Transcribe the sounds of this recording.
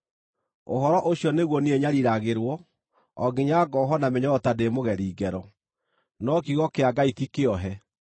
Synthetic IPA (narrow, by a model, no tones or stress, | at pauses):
oɦɔɾɔʔoɕjɔneɣwɔnieɲaɾiɾaɣeɾwɔ | ɔɡeɲaɡɔɦɔnameɲɔɔtademoɣɛɾiːɡɛɾɔ | nɔkiɣɔkeaɡaitikeɔɦɛ